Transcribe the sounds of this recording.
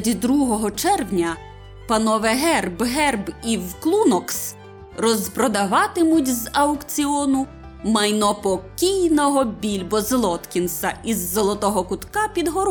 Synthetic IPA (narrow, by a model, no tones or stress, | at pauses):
dʲid̪ɾuɦɔɦɔt͡ʃɛrwnʲɐ | pɐnɔʋɛɦɛrbɦɛrbiwklˠunɔks | rɔzpɾɔd̪ɐʋɑt̪ɪmʊtʲzɐwkt͡sʲiɔnʊ | mɐjnɔpɔkʲijnɔɦɔbʲilʲbɔzlˠɔt̪kʲinsɐʔizːɔlˠɔt̪ɔɦɔkʊt̪kɑpʲid̪ɦɔɾ